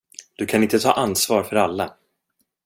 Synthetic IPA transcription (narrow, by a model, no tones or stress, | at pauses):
d̪̥ɵkʰanɪnt̪ət̪ʰɑ̰ːʔanːsvɑːɾfœɾalːa